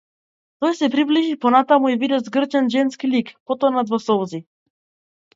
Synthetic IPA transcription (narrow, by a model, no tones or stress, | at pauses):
t̪ɔjsɛpɾibliʒipɔnat̪amuivid̪ɛzɡr̩t͡ʃɛnʒɛnskilikpɔt̪ɔnad̪vɔsɔvzi